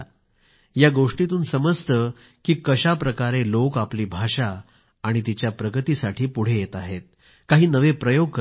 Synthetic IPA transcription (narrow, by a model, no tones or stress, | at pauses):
jaɡoʂʈit̪uːnsəməst̪ə | kiːkəɕapɾəkaɾelokapliːbʱaʂaː | ɽ̃it̪it͡ɕjapɾəɡət̪iːsaʈʰiːpuɽ̤ejet̪aɦet̪̚ | kaɦiːnəʋepɾəjoɡ̚kə